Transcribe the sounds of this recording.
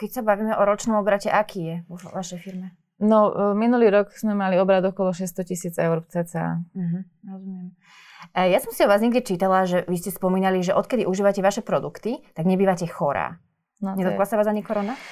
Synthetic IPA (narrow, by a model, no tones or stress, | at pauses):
kɛcsabaʋiːmɛʔɔɾɔt͡ʃnɔmɔbɾacɛʔakiːjɛʋɔʋaʃɛjfiɾmɛ | nɔminuliːɾɔkz̥mɛmaliɔbɾad̪ɔkɔlɔʃɛst̪ɔcisiːd͡zɛʊɾt͡sɛt͡sɛa̰ɦ̩ | ɾɔzumɪɛm | jasɔmsiɔʋaːzɲɛɡɟɛt͡ʃiːt̪alaʒɛʋiscɛspɔmiːnaliʒɛʔɔt̪kɛd̪iʔuʒiːʋacɛʋaʃɛpɾɔd̪ukt̪it̪aɡɲɛbiːʋacɛxɔɾa̰ː | ɲɛd̪ɔtklasaʋaːzaɲikɔɾɔna